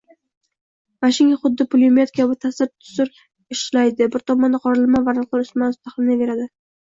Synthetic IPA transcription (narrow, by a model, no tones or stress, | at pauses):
vaʃɪŋaχʊd̪ːɪpʰʊljmet̪̚kʰavat̪ʰasɪɾt̪ʰʊ̥sʊɾ | ɪʃlajd̪ɪbɪɾt̪ʰɒmɒnd̪aqʰɒɾɪlˠmavaɾq̪lˠaɾʊsmanʊst̪aχlˠɪnave̞ɾad̪ɪ